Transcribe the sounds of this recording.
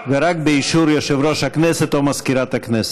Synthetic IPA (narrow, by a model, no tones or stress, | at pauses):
veɾak̚beiʃuɾjoʃevɾoʃhaknɛsɛt̪omaskiɾat̪aknɛst̪